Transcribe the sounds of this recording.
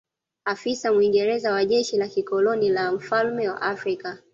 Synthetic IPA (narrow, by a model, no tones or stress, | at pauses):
afisamwiŋɡɛɾɛzawaʄɛʃilakikɔlɔnilam̩falmɛwa̰ʔafɾika